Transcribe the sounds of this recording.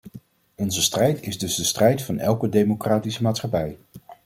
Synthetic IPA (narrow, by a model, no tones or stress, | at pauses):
ɔnzəstrɛjtɪzdɵzdəstrɛjtfɑnɛ̰lˠkədejmokraːtisəmaːtsχɑpɛj